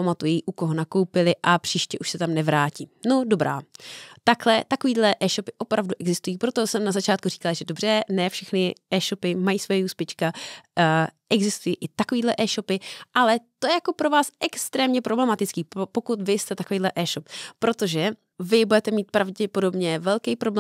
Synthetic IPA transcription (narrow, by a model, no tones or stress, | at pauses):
pamat̪ujiʔukoɦonako̞wpɪlɪʔapr̝̥iːʃcɛʔuʃsɛt̪amnɛvɾaːciːnodo̞bɾa̰ːt̪aklɛt̪ako̞viːdlɛʔɛːʃo̞pɪʔo̞pɾavduʔɛɡzɪst̪ujiːpɾo̞t̪o̞sɛmnazat͡ʃaːt̪̚kuriːkalaʒɛdo̞br̝ɛnɛːfʃɛxnɪʔɛːʃo̞pɪmajiːsvojɛjuːspjɛt͡ʃka | ʔɛɡzɪst̪ujiːʔɪt̪akoviːdlɛʔɛːʃo̞pɪʔalɛt̪ojɛjako̞pɾo̞vaːsʔɛkst̪ɾɛːmɲɛpɾo̞blɛmat̪ɪt͡skiːppo̞kut̪vɪst̪ɛt̪akovejːdlɛʔɛːʃopːɾo̞t̪o̞ʒɛ | vɪbudɛt̪ɛmiːt̪pɾavɟɛpo̞do̞bɲɛvɛlkɛjpɾo̞bl